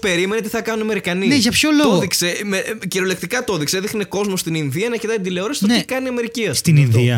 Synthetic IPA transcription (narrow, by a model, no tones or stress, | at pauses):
pe̞ɾimenet̪iθɐkɐnunime̞ɾikɐnineʝɐpçolooðiksemeciɾolek̚t̪ikɐt̪o̞ðikseðixneko̞zmost̪ininðiɐnɐɾket̪ɐd̪ileo̞ɾɐsi̥t̪oikɐniɐme̞ɾiciɐst̪ininðiɐ